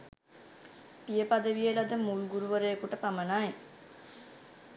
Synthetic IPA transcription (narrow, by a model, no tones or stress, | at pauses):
pijəpad̪əʋijəlad̪əmulɡuɾuʋəɾejəkuʈəpamənaj